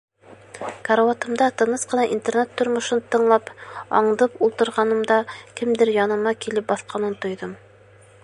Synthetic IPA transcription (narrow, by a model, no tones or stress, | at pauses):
kaɾawat̪ɤ̆md̪ɑt̪ɤ̆nɤsqɤ̆nɑʔint̪ernet̪ːŏɾmŏʃɤnt̪ɤ̆ɴlˠɑpɑ̰ɴd̪ɤpulˠt̪ɤ̆ɾʁɑnɤ̆md̪ɑkɘmd̪ɘɾjɑnɤ̆mɑkilɘp̚bɑθqɑnɤnt̪ŏjðɤm